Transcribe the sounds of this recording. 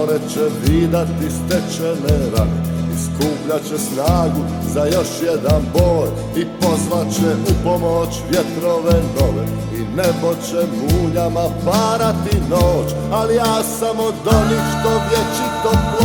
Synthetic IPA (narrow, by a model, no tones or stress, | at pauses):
ɾɛt͡ʃɛʋiːd̪at̪ist̪ɛt͡ʃenɛɾa̰niskuːpʎat͡ʃɛsnaːɡu | zajo̞ʃjed̪anboːɾ | ipo̞zʋat͡ɕeupo̞moːt͡ʃʋjet̪ɾoʋenoʋḛ | inebo̞t͡ɕɛmuːɲamapaːɾat̪inoːt͡ʃ | alijaːsamod̪onixʃt̪omjet͡ʃit̪op